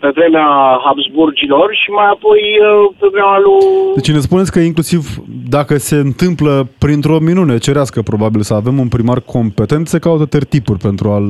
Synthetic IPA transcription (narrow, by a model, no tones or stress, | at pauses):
pe̞vɾe̞meaɦapsburd͡ʒilorʃimajapo̞jpɾoɡɾamalud̪et͡ʃne̞spunet̪sʲkəiŋklusivd̪akəse̞ɨnt̪ɨmpləpɾint̪ɾo̞minunet͡ʃe̞ɾeaskəpɾo̞babilsəave̞munpɾimarkʰo̞mpe̞t̪e̞nt̪sekaut̪ət̪ert̪ipurʲpe̞nt̪ɾual